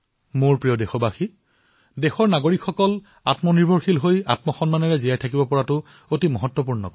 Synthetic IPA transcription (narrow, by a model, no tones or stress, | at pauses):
moɹpɹijɔdexɔbaxi | dexɔɹnaɡoɹikxɔkɔl | a̰tmɔniɹbɔɹxilɦoja̰tmɔxɔnmanɛɹɛzijajtʰakibɔpɔɹatʊ | otimɔɦɔtːɔp̬uɹnɔ̰k